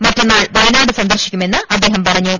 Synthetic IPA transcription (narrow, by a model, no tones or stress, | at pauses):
mɐtːɐnːaːɭʋɐjnaːɽɨsɐnd̪ɐrɕikʲːume̞nːɨʔɐd̪ːe̞ːɦɐmpɐrɐɲːuːm